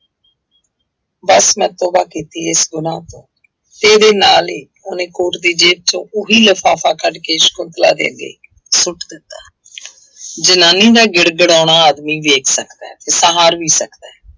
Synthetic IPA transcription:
bəsmɛ̃ːt̪oːbaːkiːt̪iːɪsɡʊnãːt̪õː | t̪eːd̪eːnaːliː | ʊnẽːkoːʈd̪iːd͡ʒeːb̚t͡ʃõ̰ːʔʊɦiːləfʰaːpʰaːkəɖkeːɪʃkʊːt̪la̰ːd̪ḛːə̰ɡḛː | sʊʈd̪ɪt̪ːaː | d͡ʒənaːniːd̪aːɡɪɽɡəɽaːɽaːaːd̪miːʋeːksəkd̪a̰ːɛt̪eːsaɦaːɾʋiːsəkd̪aːɛ

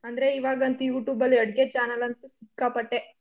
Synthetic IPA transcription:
ɐnd̪ɐɾe̞iʋaːɡɐnt̪ɐjuːʈjuːbɐlːiɐɽɡet͡ʃaːnɐlɐnt̪usikːaːpɐʈːe̞

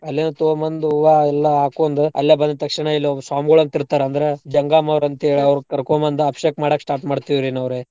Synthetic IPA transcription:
ɐlːɐnt̪oːmɐnd̪uʋaɛlːɐaːkund̪uɐ̰lːjabɐnd̪̚t̪ɐkʂɐɳɐilːiobsaːmɡɐɭɐnt̪iɾt̪aːɾeɐnd̪ɐɾed͡ʒɐŋɡaːmɐʋɾɐnt̪ɐeːɭiɐʋɾɡkɐɾkomɐnd̪uɐpʰʂekmaːɽɐksʈaːɾʈmaːɖt̪iʋuɾeːnɐʋɾe

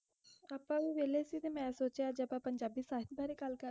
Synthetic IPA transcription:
aːpːãʋiːʋeːlesiːt̪emɛ̃soːt͡ʃead͡ʒəpãːpəɲd͡ʒaːbiːsaːɦɪt̪̚baːɾeːɡəlkə

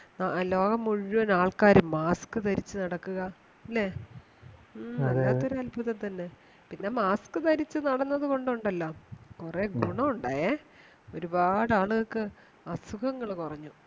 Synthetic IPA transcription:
nalo̞ːɣɐmuɻuʋɐnaːɭkaːɾumaːskɨt̪ɐɾit͡ɕːɨnɐɽɐkːuɣɐ | ɐlːeː | ɐkːaːt̪ːoɾuɐlbʱɐðɐmt̪ɐnːe | pinːe̞maːskɨt̪ɐɾit͡ɕːɨnɐɽɐnːɐðɨko̞ɳɖuɳɖɐlːɐkureːɡuɳɐuɳɖaːje | o̞ɾubaːɽaːɭuɣɐɭkɨ | ɐsukɐŋːɐɭkurɐɲːu

